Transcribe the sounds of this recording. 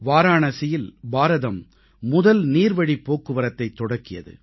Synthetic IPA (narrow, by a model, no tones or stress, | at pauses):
ʋaːɾaːɳɐsɪjɪlbaːɾɐðɐmː | ʊðɐlniːɾʋɐɽipːoːkːɯʋɐɾɐt̪ːɐɪt̪ːɔɽɐkːɪjɐ̰ðɯ̰